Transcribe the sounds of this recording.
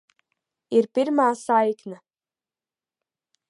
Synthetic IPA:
iɾpʲiɾmaːsajkna

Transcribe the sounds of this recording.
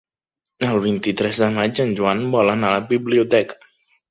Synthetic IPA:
əlˠβ̞int̪it̪ɾɛzðəmad͡ʒənʒuanbɔlənaləbiβliut̪ɛkə̥

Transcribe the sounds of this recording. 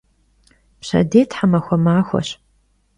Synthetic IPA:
pɕɐ̰deːtʰħamɐxʷɔmaːxʷɔ̰ɕ

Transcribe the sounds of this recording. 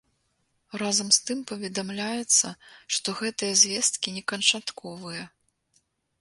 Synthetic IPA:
razɐmst̪ɨmpɐvʲɛd̪amlʲajɛt̪sːɐʂt̪ɔɣɛt̪ɨjɐzʲvʲɛst̪̚kʲinʲɛkɐnt͡ʂat̪kʰɔvɨjɐ

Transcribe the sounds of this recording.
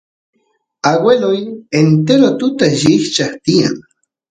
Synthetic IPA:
aɡwelʊjent̪eɾot̪ʊt̪aʒɪht͡ʃaχt̪ija̰ŋ

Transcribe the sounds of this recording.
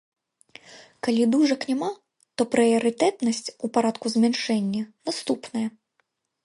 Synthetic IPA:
kalʲid̪uʐɐknʲɛma | t̪ɔpɾɨjɐɾɨt̪ɛt̪nɐsʲt͡sʲupaɾat̪kuzmʲɛnʂɛnʲːɐnast̪upnɐjɐ

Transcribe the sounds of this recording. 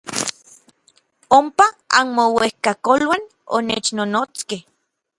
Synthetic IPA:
ompaa̰nmowehkakolwan | o̰net͡ʃnonoːt͡skeh

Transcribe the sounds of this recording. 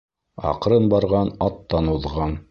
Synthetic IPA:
ɑ̰qɾɤnbɑɾʁɑnɑt̪ːɑnuðʁɑn

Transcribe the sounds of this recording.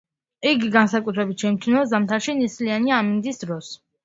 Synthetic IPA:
iɡiɡansakʼut̪ʰɾɛbit̪̚ʃʰɛmt͡ʃ̪ʰunɔzamt̪ʰaɾʃinislianiamind̪isd̪ɾɔs

